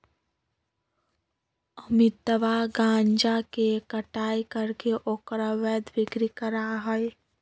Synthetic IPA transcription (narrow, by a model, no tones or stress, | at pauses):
əmɪt̪ːəʋaɡãːɲd͡ʒakekəʈaːjkəɾkeʔoːkɾaʋɛːd̪ʋɪɡɾikəɾaɦəe